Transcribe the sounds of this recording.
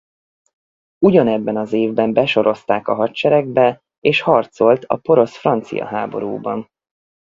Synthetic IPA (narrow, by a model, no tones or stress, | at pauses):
uɟɒnɛbːɛnɒzeːvbɛmbɛʃo̞ɾo̞st̪aːkɒɦɒtt͡ʃɛɾɛɡ̚bɛ | eːʃhɒrt̪so̞lt̪ʰɒ̰po̞ɾo̞sfrɒnt̪sḭjɒ̰ɦaːbo̞̰ɾṵːbɒn